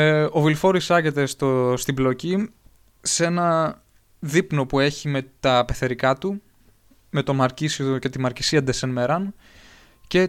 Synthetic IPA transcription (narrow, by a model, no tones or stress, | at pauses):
o̞vilfo̞ɾisɐʝe̞t̪e̞st̪ost̪iblo̞ci | se̞nɐ | ðipno̞pue̞çime̞t̪ɐpe̞θe̞ɾikɐt̪u | me̞t̪o̞mɐɾcisiooce̞t̪imɐɾci̥siɐd̪esenmeɾɐn | ce̞